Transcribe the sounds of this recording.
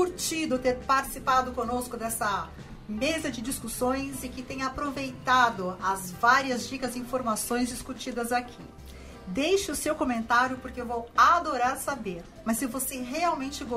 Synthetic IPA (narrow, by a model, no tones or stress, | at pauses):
kuɾt͡ʃid̪ʊt̪eɾpaɾt͡ʃi̥sipad̪ʊkõnoskʊd̪ɛsɐ | mezɐd͡ʒɪd͡ʒiskusõj̃zɪkɪt̪ẽj̃apɾovejt̪ad̪ʊɐzvaɾiɐzd͡ʒikɐzɪĩfoɾmasõj̃zd͡ʒiskut͡ʃid̪ɐzakʰḭ | d̪ejʃɪʊsewkõmẽnt̪aɾjʊpʊɾkɪewvowad̪oɾaɾsabeɾ | mɐsːɪvoseɦeawmẽnt͡ʃɪɡo